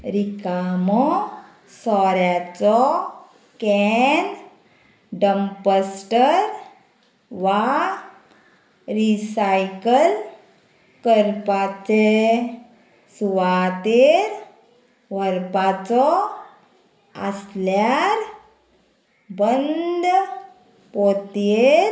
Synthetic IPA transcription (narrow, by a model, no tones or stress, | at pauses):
ɾikamɔ | sɔɾjat͡sɔ | kɛn | ɖəmpəsʈəɾ | ʋa | ɾisajkəl | kəɾpat͡se | suʋat̪eɾ | ʋəɾpat͡sɔ | ə̰sljaɾ | bənd̪ | pot̪eɾ